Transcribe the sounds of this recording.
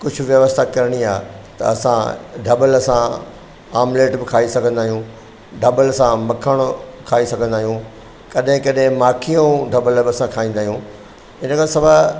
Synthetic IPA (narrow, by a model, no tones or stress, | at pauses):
kʊd͡ʑʱʊ̆ʋjɐʋəst̪ʰakɐɾɽ̃iaːt̪ɐ̰ɐsã̰ɖʱɐbəlɐsã | aːmleːʈbɪkʰaːisɐɡʱə̃nd̪aːɦijũ | ɖʱɐbəlsãmɐkʰəɽ̃kʰaːisɐɡʱə̃nd̪aːɦijũ | kɐɗɦɪ̃kɐɗɦɪ̃maːkʰijũɖʱɐbəlbɪɐsãkʰaːĩːnd̪aːɦjũ | ɪnəkʰãsɐbʱa